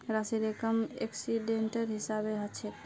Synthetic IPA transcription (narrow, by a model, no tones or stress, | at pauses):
ɾasiɾekəmḛksiɖeɳʈəɾɦisabeɦət͡ʃʰet̪